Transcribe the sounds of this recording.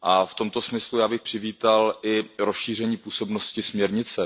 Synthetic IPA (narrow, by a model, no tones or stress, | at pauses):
ʔaft̪o̞mt̪o̞smɪslujaːbɪxpr̝̥ɪviːt̪alʔɪɾosʃiːr̝ɛɲiːpuːso̞bnoscɪsmɲɛɾɲɪt͡sɛ